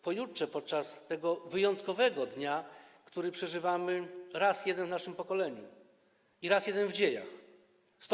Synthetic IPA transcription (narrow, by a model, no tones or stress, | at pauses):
pɔjutʂɛpɔt̪̚t͡ʂast̪ɛɡɔvɘjɔnt̪kɔvɛɡɔd̪ɲakt̪uɾɘpʂɛʐɘvamɘɾasjɛd̪ɛnvnaʂɘmpɔkɔlɛɲṵ | iɾasjɛd̪ɛnvd͡ʑeja̰x | st̪